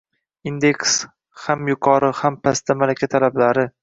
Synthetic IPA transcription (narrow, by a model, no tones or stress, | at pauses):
ind̪e̞ks | hamjʊqʰɒɾɪhampʰast̪ʰamalakʲʰat̪ʰalablaɾɪ